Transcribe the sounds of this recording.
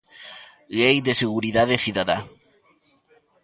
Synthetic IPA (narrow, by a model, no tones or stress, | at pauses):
ɣejd̪eseɣuɾiðaðeθiðaða